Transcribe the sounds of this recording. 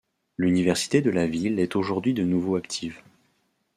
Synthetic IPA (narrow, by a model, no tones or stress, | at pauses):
lynivɛʁsi̥t̪ed̪əlavilɛt̪oʒuʁd̪ɥid̪ənuvoakt̪ʰiv